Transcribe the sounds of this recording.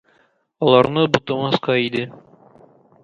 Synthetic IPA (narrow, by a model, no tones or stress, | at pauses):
ɒlˠɑɾnɤbut̪ɤmɑsqɑid̪ɘ